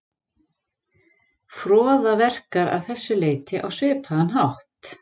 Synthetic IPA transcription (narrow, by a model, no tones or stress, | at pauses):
fɾɔːðavɛr̥kaɾa̰ðθɛsːʏleːjt̪ɪʔawsvɪːpʰaðanɦawht̪